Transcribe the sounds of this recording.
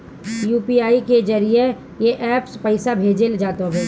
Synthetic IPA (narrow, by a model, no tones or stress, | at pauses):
juːpiaːiked͡ʒɐɾije | jeʔɛːpspəɪsabʱeːd͡ʒeld͡ʒaːt̪obɛː